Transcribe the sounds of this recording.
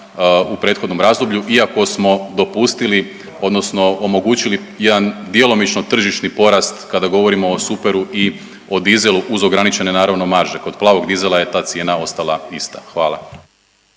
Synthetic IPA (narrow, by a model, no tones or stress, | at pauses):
upɾe̞ːt̪xo̞d̪no̞mɾaːzd̪obʎuʔiako̞smo̞d̪o̞pust̪ili | o̞d̪no̞sno̞omo̞ɡuːt͡ɕili | je̞d̪and̪je̞lo̞mit͡ʃno̞t̪r̩ʒiʃnipo̞ɾast̪kad̪aɡo̞ʋo̞ɾimo̞ːsupe̞ɾuʔi | o̞d̪ize̞lˠuʔuzo̞ɡɾanit͡ɕe̞ne̞naːɾaʋno̞maɾʒe̞ko̞d̪plˠaːʋo̞ɡd̪ize̞lˠaje̞t̪aːt̪sje̞ːnao̞st̪alˠaist̪axʋaːlˠa